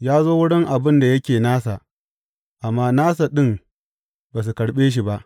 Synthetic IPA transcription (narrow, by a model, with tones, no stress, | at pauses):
jaː˦zoː˦wʊ˦ɽɪ˦ŋʔa˨bɪ˦nda˨jɐ˦kʲeː˨naː˦sa˨ʔ | ʔa˨mːaː˦naː˦sa˨ɗɪ˦m | baː˨s̬u˨kɐ˨ɽɓeː˦ʃ̬i˨ba˦ʔ